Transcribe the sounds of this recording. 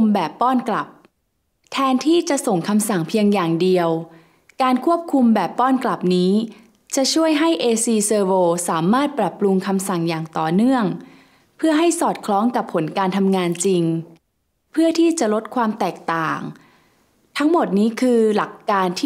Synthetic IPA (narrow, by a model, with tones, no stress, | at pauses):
mbɛː˨˩pːɔː˥˩nkla˨˩p̚ | t̪ʰɛː˧nt̪ʰiː˥˩t͡ɕa˨˩ʔso˨˩ŋkʰa˧msa˨˩ŋpʰi˧əŋjaː˨˩ŋdi˧əw | kaː˧nkʰu˥˩əp̚kʰu˧mbɛː˨˩pːɔː˥˩nkla˨˩p̚niː˦˥ | t͡ɕa˨˩ʔt͡ɕʰu˥˩əjɦa˥˩jʔeː˧siː˧sɤː˧woː˧saː˩˦maː˥˩t̪̚pɾa˨˩pːɾu˧ŋkʰa˧msa˨˩ŋjaː˨˩ŋt̪ɔː˨˩nɯ˥˩əŋ | pʰɯ˥˩ɐɦa˥˩jsɔː˨˩t̪̚kʰlɔː˦˥ŋka˨˩pʰːo˩˦nkaː˧nt̪ʰa˧mŋaː˧nt͡ɕi˧ŋ | pʰɯ˥˩ɐət̪ʰiː˥˩t͡ɕa˨˩lo˦˥t̪̚kʰwaː˧mt̪ɛː˨˩k̚t̪aː˨˩ŋ | t̪ʰa˦˥ŋmo˨˩t̪̚niː˦˥kʰɯː˧la˨˩kːaː˧nt̪ʰː